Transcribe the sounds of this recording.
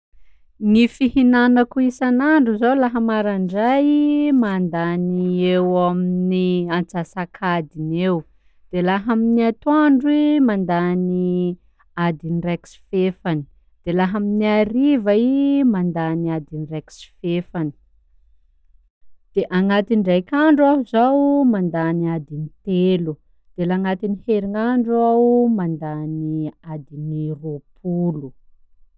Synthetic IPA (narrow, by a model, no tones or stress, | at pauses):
nifihinanakuisanaɳɖ͡ʐuzolaɦamaɾaɳɖ͡ʐajimand̪aniewaminiant͡sasakʰad̪inew | d̪̥elaɦaminiat̪oaɳɖ͡ʐwimand̪ani | ad̪inireksi̥fefani̥ | d̪̥elaɦaminiaɾivaimand̪aniad̪inirɛksi̥fefani̥ | d̪̥eʔaŋat̪inrajkʲaɳɖ͡ʐuaɦuzawmand̪aniad̪init̪elu | d̪̥elaŋat̪iniheɾiŋaɳɖ͡ʐuawmand̪aniad̪iniropʰulu